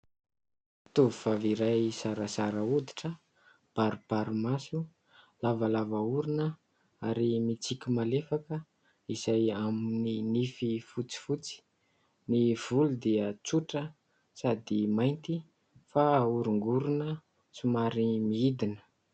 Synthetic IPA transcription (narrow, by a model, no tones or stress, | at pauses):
t̪uvifaviɾajsaɾəsaɾəud̪i̥ʈ͡ʂə | b̥aɾub̥aɾumasu | lavalavauɾunə | aɾimit͡sikʲimalefakə | iz̥ajamininififut͡si̥fut͡si̥ | niv̥ulud̪iət͡suʈ͡ʂə | sad̪imajnt̪i | fauɾuŋɡuɾunə | t͡sumaɾimiid̪inə̥